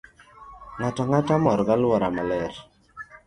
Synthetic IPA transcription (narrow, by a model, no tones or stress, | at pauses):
ŋatɔŋatamɔɾɡalwɔɾamalɛɾ